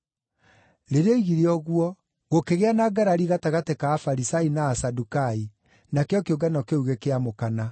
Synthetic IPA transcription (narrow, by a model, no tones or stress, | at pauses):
ɾeɾeeiɣiɾeɔɣwɔ | ɣokeɣeanaɡaɾaɾiɣataɣatekaːfaɾisainaːsadukai | nakeɔkeoɡanɔkeuɣekeamokana